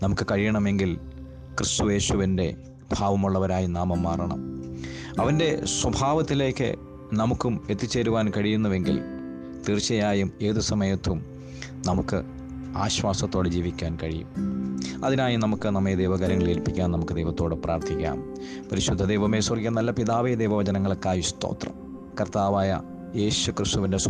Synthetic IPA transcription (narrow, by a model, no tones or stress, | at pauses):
nɐmukːɨkɐɻijɐɳɐme̞ŋɡil | krist̪uje̞ːɕuʋinde̞̰ | b̥ʱaːʋɐmuɭːɐʋɐɾaːjinaːmɐmːaːrɐɳɐ̰m | ɐʋɐnde̞swɐbʱaːʋɐt̪ːile̞ːkːɨ̰ | nɐmukːume̞t̪ːit͡ɕːe̞ːɾuʋaːnkɐɻijun̪ːɐʋe̞ŋɡḭl | t̪iːrt͡ɕːɐjaːjume̞ːðɨsɐmɐjɐt̪ːum | nɐmukːɨ̰ | aːɕwaːsɐt̪ːoːɽɨd͡ʑiːʋikʲːaːnkɐɻijṵmɐðinaːjumnɐmukːɨnɐmːɐjɐd̪ejʋɐɡɐɾɐŋːɐɭelpikʲːaːnɐmukːɨd̪ejʋɐt̪ːo̞ːɽɨprʔa̰ːrt̪ʰikʲːa̰ːm | pɐɾiɕud̪ʱːɐd̪ejʋɐmeːsɐrkʲːɐnɐlːɐpiðaːʋɐjɐd̪ejʋɐʋɐt͡ɕɐnɐŋːɐɭkːaːjist̪o̞̰ːt̪rɐ̰m | kɐrt̪aːʋaːjɐ̰ | je̞ːɕukrɨst̪uʋindes